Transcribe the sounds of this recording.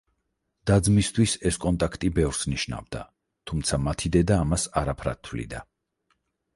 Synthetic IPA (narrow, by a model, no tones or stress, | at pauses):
d̪̥ad̪zmist̪ʰwisɛskʼɔnt̪ʼakʰt̪ʼibɛvɾsniʃna̰vd̪a | t̪ʰumt̪sʰamat̪ʰid̪ɛd̪aːmasaɾapʰɾa̰tt̪ʰːvlḭd̪a